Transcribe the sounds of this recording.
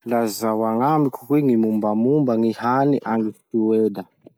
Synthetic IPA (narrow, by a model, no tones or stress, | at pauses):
lazawaŋambikʰu̥kwiŋimumbamumbaŋihaniʔaŋɡiftiweda